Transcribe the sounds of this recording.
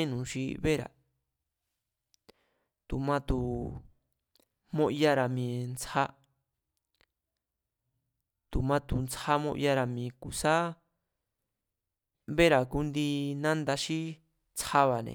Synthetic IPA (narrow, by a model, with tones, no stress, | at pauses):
nũ˨ʃi˦βe˦ɾa̰˨ | t̪u˨mã˦˧t̪u˧˨ | mõ˦ʔja˦ɾa˨mĩ˧nt͡sa˦ | t̪u˨mã˧t̪u˧nt͡sa˦mõ̰˦ʔja˦ɾa˧mĩː˨˧ku˨sa˦ | βe˦ɾa˨ku˧˦nd̪i˧nã˦nd̪a˧ʃi˦ | t͡sʰa˦βa˨nḛ̃˨˧